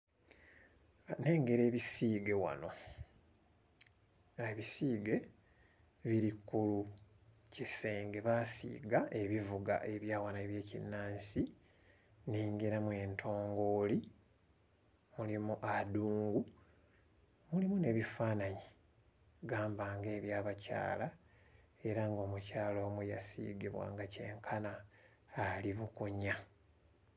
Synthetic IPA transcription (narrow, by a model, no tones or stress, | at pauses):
ne̞ːŋɡe̞ɾe̞ːβisiːɡe̞wa̰no̞ | aeβisiːɡe̞ | βiɾikːulu | cise̞ːŋɡe̞βasḭːɡae̞βivuɡa̰ʔe̞βjaːwanaeβje̞ːcḭnːaːnsi | neːŋɡeɾamwe̞ntʰo̞ːŋɡo̞ːli | mulimuʔaduːŋɡu | mulimune̞ːβifaːnaɲe | ɡaːmbaːŋɡe̞ːβjaːβaca̰ːla | e̞ɾaŋɡo̞ːmucaːloːmuja̰sḭːɡiβwa̰ːŋɡace̞ːŋkʰanaː | liβukuɲa